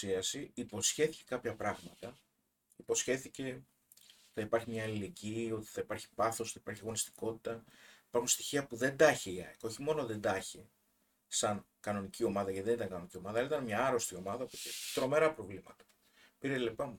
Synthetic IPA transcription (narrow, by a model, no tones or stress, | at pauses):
iɐsiipo̞sçe̞θi̥ce̞kɐpçɐpɾɐɣmɐt̪ɐ | ipo̞sçe̞θice̞ | θɐipɐɾçimɲɐːlile̞ɟiːo̞t̪i̥θɐipɐɾçi̥pɐθo̞sθɐi̥pɐɾçiɐɣo̞nist̪i̥ko̞t̪i̥t̪ɐi̥pɐɾxunst̪i̥çiɐpuðe̞nd̪ɐçeiɐ̰eko̞çimo̞no̞ðe̞nd̪ɐçe | sɐŋkɐno̞nicio̞mɐðɐceiðe̞nit̪ɐŋkɐno̞nicio̞mɐðɐɐlɐit̪ɐnmɲɐɐɾo̞st̪io̞mɐðɐopot̪et̪ɾo̞me̞ɾɐpɾo̞vlimɐt̪ɐ̥ | piɾelepɐmu